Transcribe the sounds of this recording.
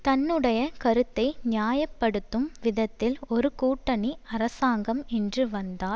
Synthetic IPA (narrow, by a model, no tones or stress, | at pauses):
t̪ɐnːɯɽɐjɐkɐɾɯt̪ːɐɪnɪjaːjɐpːɐɽɯt̪ːɯmʋɪðɐt̪ːɪlɔɾɯkuːʈːɐɳiɐɾɐsaːŋɡɐmɛndrɯʋɐnd̪aːl